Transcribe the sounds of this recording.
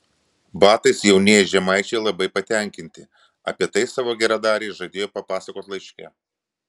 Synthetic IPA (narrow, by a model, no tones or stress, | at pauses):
bɑːt̪ɐɪsjɛʊnʲeːjɛʒʲɛmɐɪt͡ʃʲɛɪlˠɐbɐɪpɐt̪ʲɛˑŋʲkʲɪnʲt̪ʲɪ | ɐ̰pʲiɛt̪ɐɪsɑːʋoːɡʲɛɾɑd̪ɑːɾʲɛɪʒɐɪd̪ʲeːjoːpɐpɑːsɐkoːt̪lˠɐɪʃʲkʲɛ